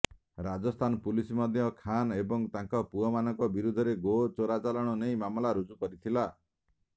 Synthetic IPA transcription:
ɾad͡ʒɔst̪ʰanpulisimɔd̪ʱjɔkʰanebɔŋt̪ãŋkɔpuɔmanɔŋkɔbiɾud̪ʱɔɾeɡot͡ʃoɾat͡ʃalɔɽ̃ɔnejmamlaɾud͡ʒukɔɾit̪ʰila

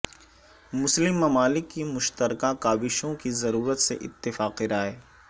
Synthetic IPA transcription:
mʊslɪmːɐmaːlɪkːimʊʃt̪əɾkakaːbɪʃõkizɐɾuːɾət̪sḛʔɪt̪ːɪfaːqiɾaːeː

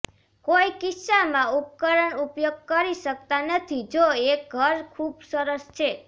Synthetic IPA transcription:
koikɪsamãup̚kəɾəɳupjoɡ̚kəɾiʃək̚t̪anət̪ʰid͡ʒoek̚ɡʱəɾkʰubsəɾəst͡ʃʰe

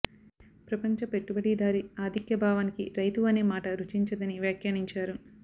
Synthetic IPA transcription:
pɾɐpɐɲt͡ʃɐpe̞ʈːubɐɽiːd̪aːɾiaːd̪ʱikjɐbʱaːʋaːnikiɾɐjt̪uɐne̞ːmaːʈɐɾut͡ʃiɲt͡ʃɐd̪ɐniʋjaːkjaːniɲt͡ʃaːɾu

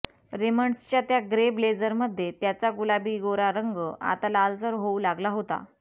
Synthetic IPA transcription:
ɾeməɳst͡ɕjat̪jaɡɾebled͡zəɾməd̪ʱːjet̪jat͡saɡulabiːɡoɾaɾəŋɡəʔa̰t̪alald͡zəɾɦoulaɡlaɦot̪a̰

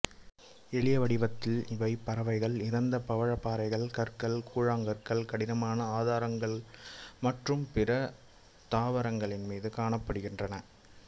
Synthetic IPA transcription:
ɛɭɪjɐʋɐɽɪʋɐt̪ːɪlɪʋɐɪpːɐɾɐʋɐɪɣɐɭɪɾɐnd̪ɐpɐʋɐɻɐpːaːɾɐɪɣɐɭkɐɾkɐɭkuːɻaːŋɡɐrkɐɭkɐɽɪnɐmaːnɐaːðaːɾɐŋɡɐɭmɐʈrɯmpɪɾɐ | t̪aːʋɐɾɐŋɡɐɭɪnmiːðɯkaːɳɐpːɐɽɯɣɪndrɐnɐ

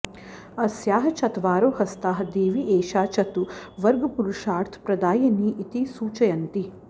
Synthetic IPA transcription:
ɐsjaːɦɐt͡ʃɐt̪ʋaːɾoːhɐst̪aːɦɐd̪iːʋiʔeːʃaːt͡ʃɐt̪uʋɐɾɡɐpuɾuʃaːɾt̪ʰpɾɐd̪aːjɐniːʔit̪isuːt͡ʃɐjɐnt̪i

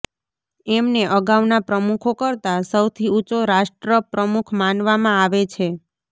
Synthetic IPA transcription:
ɛmneʔəɡaʋnapɾəmukʰokəɾt̪asəwt̪ʰiut͡ʃoɾaʃʈɾəpɾəmukʰmanʋamãaʋet͡ʃʰe

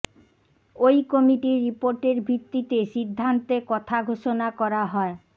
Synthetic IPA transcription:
ojkɔmiʈiɾipoɾʈeɾbʱit̪ːit̪eʃid̪ʱːant̪ekɔt̪ʰaɡʱoʃonakɔɾaɦɔe

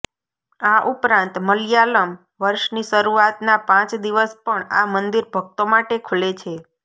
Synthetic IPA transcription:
aʔupɾãnt̪məljaləm | ʋəɾʃniʃəɾuat̪napãt͡ʃd̪iʋəspəɳa̰mənd̪iɾbʱəɡ̚t̪omaʈekʰulet͡ʃʰe

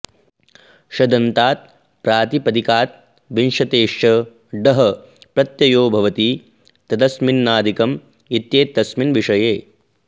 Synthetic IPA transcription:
ʃɐd̪ɐnt̪aːt̪̚ | pɾaːt̪ipɐd̪ikaːt̪̚ | ʋinʂɐt̪eːʃɐ | ɖɐɦɐ | pɾɐt̪jɐjoːbʱɐʋɐt̪i | t̪ɐd̪ɐsminːaːd̪ikɐm | it̪jeːt̪ːɐsminʋiʂɐjeː

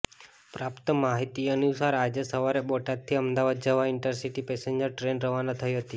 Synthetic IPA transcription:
pɾapt̪əmaɦit̪iənusaɾad͡ʒesəʋaɾeɓoʈad̪̚t̪ʰiəmd̪aʋad̪̚d͡ʒəʋaɪnʈəɾsiʈipeseɲd͡ʒəɾʈɾenɾəʋanat̪ʰəiɦət̪i

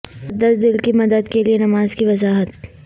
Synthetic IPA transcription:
ɐd̪ɐsd̪ɪlkimɐd̪əd̪kelienɐmaːzkiʋɐzaːɦət̪̚

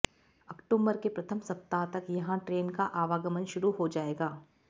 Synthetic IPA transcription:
ɐkʈuːmbəɾkepɾɐt̪ʰəmsɐp̚t̪at̪ɐkjɐɦãʈɾeːnkaʔaːʋaːɡəmənʃʊɾuɦod͡ʒaːeːɡaː

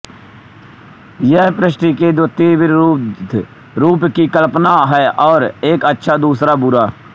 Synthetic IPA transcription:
jɛɦpɾɪʃʈiked̪ʊt̪ːiʋɪɾ | ɾuːpkikəlpnaɦɛʔɔːɾeːkətːʃʰad̪uːsɾabʊɾaː

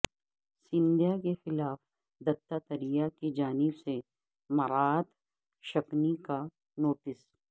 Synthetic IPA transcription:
sɪ̃nd̪ijakexɪlaːf | d̪ɐt̪ːat̪ɐɾijakid͡ʒaːnɪbse | mɐɾaːt̪ | ʃɐknika | noːʈɪs

